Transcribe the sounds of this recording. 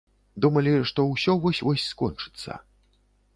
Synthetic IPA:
d̪umɐlʲiʂt̪ɔwsʲɔvɔsʲvɔsʲskɔnt͡ʂɨ̥t̪sːɐ̰

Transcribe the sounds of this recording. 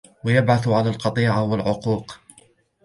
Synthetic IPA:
wajabʕaθʕalaːlqɑt̪ˤiːʕawalʕʊquːq

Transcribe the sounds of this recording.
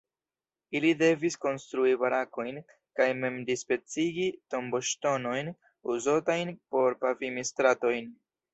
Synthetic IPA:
ilide̞visko̞nstɾuibaɾako̞jn | kajme̞mdispe̞t͡siɡito̞mbo̞ʃto̞no̞jn | uzotajnpo̞ɾpavimistɾato̞jn

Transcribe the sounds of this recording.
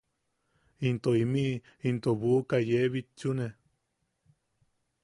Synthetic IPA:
int̪oimiʔ | int̪oβukajeβit͡ʃune

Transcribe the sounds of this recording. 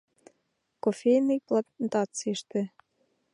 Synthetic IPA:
kofʲejnɨjplant̪ɑt͡siʃt̪ĕ

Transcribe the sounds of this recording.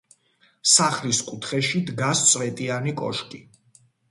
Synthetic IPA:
saχliskʼut̪ʰχɛʃid̪ɡast̪sʼvɛt̪ʼianikʼɔ̰ʃkʼi

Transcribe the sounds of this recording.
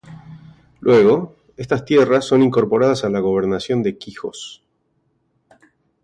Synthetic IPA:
lwe̞ɣo̞ | e̞st̪ast̪jerasːo̞niŋko̞ɾpo̞ɾað̞asalaɣo̞β̞e̞ɾnasjo̞nd̪e̞kixo̞̰s

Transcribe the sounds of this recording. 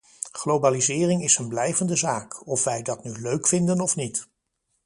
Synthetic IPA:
χlowbaːlizɪːrɪŋɪsənblɛjvəndəzaːkɔfʋɛjdɑtnyløɥkfɪndənɔfnit

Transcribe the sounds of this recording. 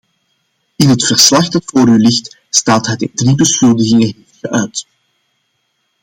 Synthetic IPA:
ɪnɦətfərslɑxdɑtfoːɾylɪxt | staːtɦɛdɪndribəsxɵlˠdəɣɪŋəɦefəʔœɥt

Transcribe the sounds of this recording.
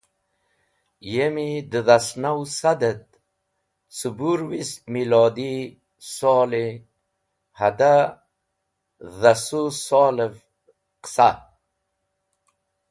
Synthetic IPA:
jemid̪əðasnawsad̪et̪̚ | subuɾwist̪̚milɔːd̪i | sɔːli | had̪a | ðasusɔːləv | qsa

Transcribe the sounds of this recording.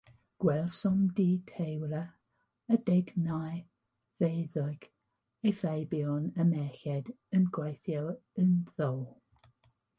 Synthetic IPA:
ɡ̥wɛlˠsɔmdiːtʰejwɾə | ədɛɡnaj | vejðʊɡ̥ | efejbiɔnəmɛxɛd | ənɡwejθjɔənðɔwlˠ

